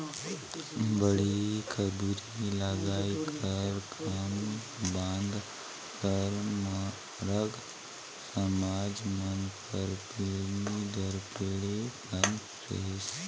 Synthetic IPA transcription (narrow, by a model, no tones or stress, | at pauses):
bəɽikəbuɾilaːɡaːikəɾkʰaːm | bãːnd̪ | kəɾma | ɾəɡ | səmaːd͡ʒmənpəɾpelid̪əɾpeːɽepən | ɾḛs